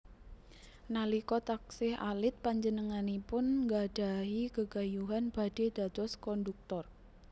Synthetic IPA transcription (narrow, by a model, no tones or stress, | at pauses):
nalikɔt̪aksɪha̰lɪt̪̚paɲd͡ʒənəŋanipʊnŋɡaɖ̥a̤ɦikəɡ̥a̤juɦanb̥a̤d̥e̤d̪̥a̤t̪ɔskɔnduk̚t̪ɔr